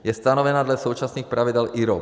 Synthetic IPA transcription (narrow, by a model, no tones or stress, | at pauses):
jɛst̪anɔʋɛnaːd̪lasuːt͡ʃasniːxpɾaʋid̪ɛlʔiɾɔ